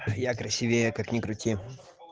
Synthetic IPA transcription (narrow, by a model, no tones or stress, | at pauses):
jakɾɐsʲivʲekaknʲɪkɾʊtʲi